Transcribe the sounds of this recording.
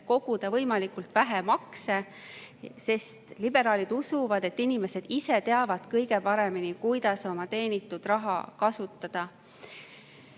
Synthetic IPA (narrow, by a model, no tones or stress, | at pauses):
ko̞ɡ̥ud̪̥ɑvɤjmɑlikult̪væɦemɑkse | se̞st̪lib̥e̞ɾɑːlid̪̥usuvɑd̪̥e̞t̪ːˑinime̞se̞d̪̥ise̞t̪e̞ɑvɑd̪̥kɤjɡ̥e̞pɑɾe̞minikujd̪̥ɑso̞mɑt̪e̞ːnit̪ːˑud̪̥rɑɦɑ̰kɑsut̪ːˑɑd̪̥ɑ